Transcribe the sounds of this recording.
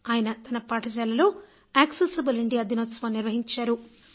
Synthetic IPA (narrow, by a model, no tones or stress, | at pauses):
aːjɐnɐt̪ɐnɐpaːʈʰɐd͡ʒaːlɐlo̞ː | aːksesibɐliɳɖijaːd̪inoːt̪sʋaːniɾʋɐɦiɲt͡ʃaːɾu